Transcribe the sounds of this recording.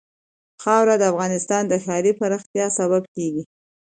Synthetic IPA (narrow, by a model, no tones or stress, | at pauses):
xɑwɾad̪əafɣɑnɪst̪ɑnd̪əxɑɾipaɾaxt̪jɑsaβabkeɡi